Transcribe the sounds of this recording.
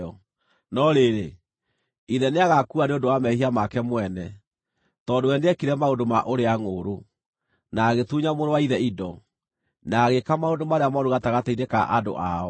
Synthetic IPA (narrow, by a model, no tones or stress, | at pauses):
ɔ | nɔɾeɾe | iðɛneaɣakuaneodowamɛhiamakɛmwɛnɛ | tɔdowɛndeɛkiɾɛmaodoma̰ʔoɾeaŋoːɾo | naɣetuɲamoɾowaiðɛidɔ | naɣekamaondomaɾeamɔɾoɣataɣateideka̰ʔado̰ʔa̰ɔ